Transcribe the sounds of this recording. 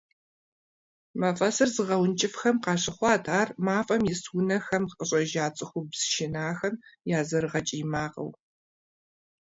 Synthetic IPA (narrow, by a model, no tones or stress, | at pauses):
maːfʼɐsɨrzɨʁɐwnt͡ʃʼɪfxɐmqɑːɕʼɪχʷɑːtʰaːrmaːfʼɐmjɪswʊnɐxɐmqʼəɕʼɐʒaːt͡sʼɨxʷʊbz̥ʃɪnaːxɐmjaːzɐɾɨʁɐt͡ʃʼijmaːqɐ̰w